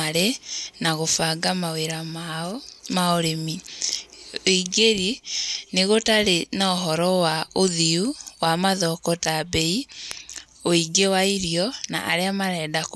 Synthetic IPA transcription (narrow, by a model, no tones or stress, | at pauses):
aɾenaɣofaːɡamaweɾamamaoɾemi | oiɡeɾineɣotaɾenaoɦɔɾɔwaoðiuwamaðɔkɔtabɛi | oiɡewaiɾijɔna̰ʔa̰ɾeamaɾɛːdak